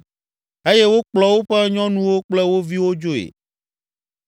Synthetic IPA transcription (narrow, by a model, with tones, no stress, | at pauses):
e˦jɛ˦wo˦k͡plɔ˨wo˦ɸɛ˦ɲɔ̃˦nũ˦wo˦k͡plɛ˦wo˦vi˦wo˦d͡ʒo˦ḛ˨